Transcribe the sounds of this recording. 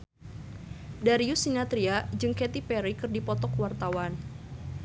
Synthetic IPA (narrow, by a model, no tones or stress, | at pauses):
daɾiusinat̪ɾiad͡ʒɨŋkɛt̪ipɛɾikɨrdipɔt̪ɔkwart̪awan